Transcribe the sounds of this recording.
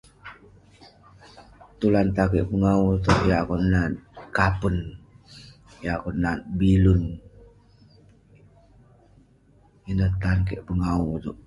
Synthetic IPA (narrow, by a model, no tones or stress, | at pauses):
t̪ulant̪akeʔpəŋaut̪uʔjakɔnat̪̚kapən | jakɔnat̪̚bilun | inət̪ankeʔpəŋaut̪uʔ̚